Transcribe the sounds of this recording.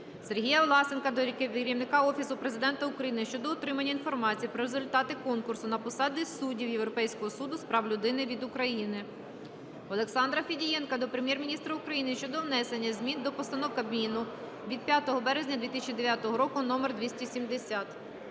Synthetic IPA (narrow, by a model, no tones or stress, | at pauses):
se̞rɦʲijɐʋlˠɑsenkɐd̪ɔɾʲkɪʋʲɾʲiwnɪkɑɔfʲisʊpɾezɪd̪ɛnt̪ɐʊkɾɐjinɪʃt͡ʃɔd̪ɔɔt̪ɾɪmɐnʲːɐinfɔrmɑt͡sʲijpɾɔɾezʊlʲt̪ɑt̪ɪkɔnkʊrsʊnɐpɔsɑd̪ʲɪsudʲiwjewɾɔpɛjsʲkɔɦɔsud̪ʊspɾɑwlʲʊd̪ɪnɪʋʲid̪ʊkɾɐjinɪ | ɔlˠeksɑnd̪ɾɐfʲidʲijɛnkɐd̪ɔpɾemʲjɛrmʲinʲist̪ɾɐʊukɾɐjinɪʃt͡ʃɔd̪ɔʋnɛsenʲːɐzʲmʲind̪ɔpɔst̪ɐnɔwkɐbmʲinʊ | ʋʲid̪̚pʲjat̪ɔɦɔbɛɾezʲnʲɐd̪ʋʲit̪ɪsʲt͡ʃʲid̪eʋʲjat̪ɔɦɔɾɔkʊnɔmerd̪ʋʲisʲtʲisʲimd̪esʲat̪